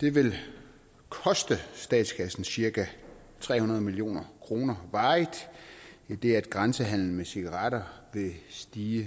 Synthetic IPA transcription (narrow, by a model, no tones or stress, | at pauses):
d̥e̝ʋe̝l | kʰɒ̽sd̥əsd̥ɛ̰ːd̥skʰæsn̩siɐkæ | t͡sʰʁɛ̰ːhunɐð̞ˠmilijo̝̰ːnɐkʰʁo̝ːnɐʋɑ̈ːɪd̥id̥e̝æd̥ɡ̥ʁɑ̈nsəɦæn̰l̩mesiɡ̥ɐʁɑ̈ɾɐʋe̝sd̥iːə